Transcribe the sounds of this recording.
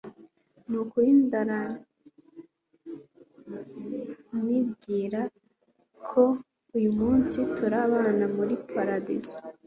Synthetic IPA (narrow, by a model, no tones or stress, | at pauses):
nukuindaɾa | nib̚ɡiːɾa | kʰo | ujumuːnsituɾaβaːnamuɾipʰaɾadizo